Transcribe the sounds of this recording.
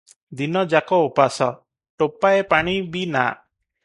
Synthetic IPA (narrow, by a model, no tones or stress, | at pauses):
d̪inɔd͡ʒakɔopasɔ | ʈopaepaɽ̃ibina̰